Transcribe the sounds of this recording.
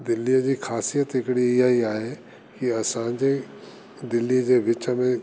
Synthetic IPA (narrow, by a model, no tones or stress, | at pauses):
d̪ɪlːijəd͡ʑiːxaːsijət̪ɦɪkɪɽiɪjaɦiaːɦe | kiɐsãd͡ʑe | d̪ɪlːiəd͡ʑeːʋɪt͡ɕəmẽ